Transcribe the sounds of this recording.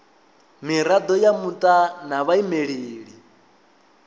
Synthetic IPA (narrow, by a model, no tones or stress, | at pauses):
miɾad̪ɔjamut̪ʼanaβaimeɺiːɺi